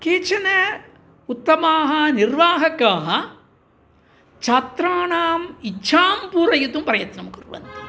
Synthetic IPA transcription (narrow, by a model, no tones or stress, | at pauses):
kiːt͡ʃɐnɐ | ut̪ːɐmaːɦɐnirʋaːɦɐkːaːɦɐ | t͡ʃɐt̪ɾaːɳaːmit͡ʃʰːaːmpuːɾɐjut̪umprɐjɐt̪nɐmkurʋɐ̰nt̪i̥